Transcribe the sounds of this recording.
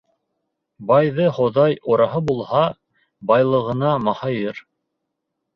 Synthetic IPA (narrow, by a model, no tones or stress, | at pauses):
bɑjðɤχŏðɑjŏɾɑɦɤbulˠhɑ | bɑjlˠɤ̆ʁɤ̆nɑmɑhɑjɤɾ